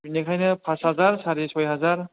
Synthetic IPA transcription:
nekʰajnɯpʰashazaɾsaɾisbajɦazaɾ

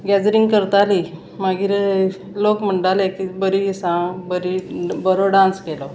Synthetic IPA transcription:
ɡɛd͡zɾiŋɡkəɾt̪aliː | maɡiɾ | lokməɳɖalekibəɾiisãbəɾibəɾoɖãnskelɔ

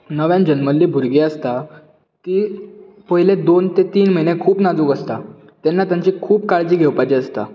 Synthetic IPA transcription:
nəʋjãnd͡ʑənməlːiːbʱuɾɡeəst̪a | t̪iː | pəɦiled̪ont̪et̪iːnməjnekʰuːpnad͡zuːkəst̪a | t̪ɛnːat̪jaɲt͡ɕiːkʰuːpkaɭd͡ʑiːɡʱewpajt͡ɕiəst̪a̰

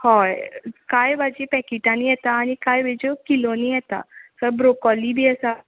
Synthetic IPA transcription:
hɔjkajʋad͡ʑipɛkiʈãnijɛt̪aːñikajʋed͡ʑokilonijɛt̪a̰səɾbɾokɔlibʱiːəsa

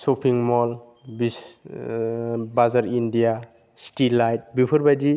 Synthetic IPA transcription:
sɔpʰiŋmɔl | bi | bazaɾindija | stilːajt̚bipʰɯɾbadi

